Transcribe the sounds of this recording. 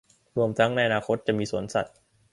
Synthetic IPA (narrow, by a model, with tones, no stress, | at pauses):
ɾu˧əmt̪ʰa˦˥ŋna˧jʔa˧naː˧kʰo˦˥t̪̚t͡ɕa˨˩miː˧suː˩˦ənsa̰˨˩t̪̚